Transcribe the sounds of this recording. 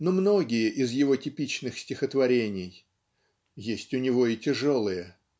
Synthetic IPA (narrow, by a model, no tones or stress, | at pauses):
nomno̞ɡʲɪjəʔɪzjɪvo̞tʲɪpʲit͡ɕnɨxsʲtʲɪxət̪vɐɾʲenʲɪj | jesʲtʲʊnʲɪvo̞ɪtʲɪʐo̞lˠɨjə